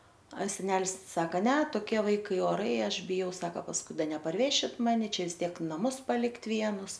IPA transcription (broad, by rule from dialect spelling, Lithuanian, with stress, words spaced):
ɐ sʲɛˈnʲæːlʲɪs ˈsɑːkɐ nʲɛ toːˈkʲiɛ ˈʋɐɪkɐɪ oːˈrɐɪ ˈɐʃ bʲɪˈjɛʊ ˈsɑːkɐ pɐsˈkʊɪ ˈdɐ nʲɛpɐrʲˈʋʲæːʃʲɪt ˈmɑːnʲɪ ˈt͡ʃʲɛ ʋʲɪs ˈtʲiɛk nɐˈmʊs pɐˈlʲɪktʲ ˈʋʲiɛnʊs